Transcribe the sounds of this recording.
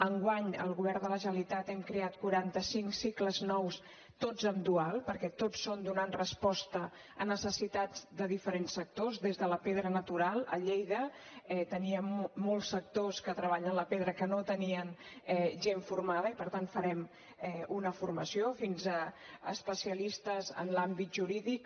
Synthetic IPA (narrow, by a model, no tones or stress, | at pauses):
əŋɡwaɲə̰lˠɣuβɛɾd̪ələʒəlit̪at̪ɛmkɾeat̪̚kuɾant̪əsiŋksikləznɔws | t̪od͡zəmd̪ualˠpəɾkɛt̪ot͡sːond̪unanrəspɔst̪ə | ənəsəsit̪ad͡zd̪əðifəɾensːək̚t̪ozðezðələpeðɾənət̪uɾalˠə̰ʎejðə | ɛt̪əniəːolˠsːək̚t̪oskət̪ɾəβ̞aʎənləpeðɾəkənot̪əniənɛʒeɱfuɾmaðəipəɾt̪ant̪fəɾɛm | ɛunəfurməsiofinzəː | spəsiəlist̪əzə̰nlambit̪̚ʒuɾiðik